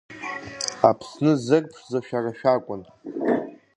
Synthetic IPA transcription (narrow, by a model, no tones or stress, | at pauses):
apʰsnɨzɨrʼpʰʂzaʃᶣaraʃᶣakʷʼʊn